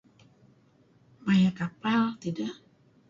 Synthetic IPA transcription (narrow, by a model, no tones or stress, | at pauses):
majakapalt̪idaʔ